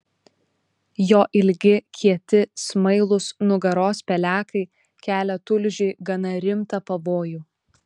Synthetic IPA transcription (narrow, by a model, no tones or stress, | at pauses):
joːʔɪlʲɡʲɪkʲʰiɛt̪ʲɪsmɐɪlˠʊsnʊɡɐɾoːspʲɛlʲæːkɐɪ | kʲæːlʲɛt̪ʊlʲʒʲʊɪɡɐnɐɾʲɪmt̪ɐpɐʋoːjuː